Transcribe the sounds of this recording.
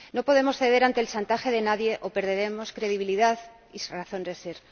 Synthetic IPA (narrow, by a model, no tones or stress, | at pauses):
no̞po̞ðe̞mo̞sθe̞ð̞e̞ɾant̪e̞ːlsant̪axe̞ðe̞naðje̞ʔo̞pe̞ɾðe̞ɾe̞mo̞skɾe̞ðiβiliðað | iraθo̞nd̪ese̞ɾ